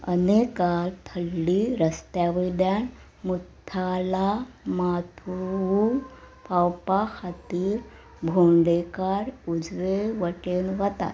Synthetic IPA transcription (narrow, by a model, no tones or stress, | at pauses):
ə̰nekalt̪ʰəlːiɾəst̪jaʋid̪jan | mut̪ʰːalamat̪ʰuu | pawpaxat̪iːɾ | bʱuɳɖekaɾud͡zʋeʋəʈenʋət̪a̰t̪